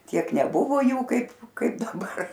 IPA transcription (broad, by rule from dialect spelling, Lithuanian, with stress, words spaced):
ˈtʲiɛk nʲɛˈbʊʋoː ˈjuː ˈkɐɪp ˈkɐɪp dɐˈbɐr